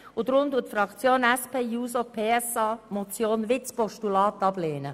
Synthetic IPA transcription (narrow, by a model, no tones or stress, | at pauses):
ʊd̥̪ɾʊmd̪uːətfɾɑkt͡sjoːnɛspeːjuːsopʰeːɛsɑːmot͡sjoːnʋɪt͡spɔʃtulɑːtɑb̥leːnə